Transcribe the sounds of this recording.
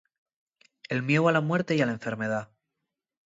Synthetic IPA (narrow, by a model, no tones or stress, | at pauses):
e̞lmje̞walamwe̞ɾt̪e̞jalaeɱfeɾme̞ð̞a